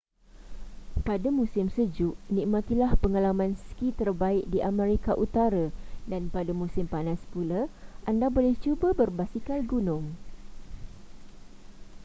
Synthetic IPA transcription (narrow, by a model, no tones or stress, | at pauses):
padamũsɪmsəd͡ʒuʔnĩʔmãt̪ilahpəŋalamãnskit̪ərbaɪk̚diʔamɛɾikaʔut̪aɾadanpadamũsɪmpanãspulaʔandabolɛht͡ʃubəbərbasikalɡunʊ̃ŋ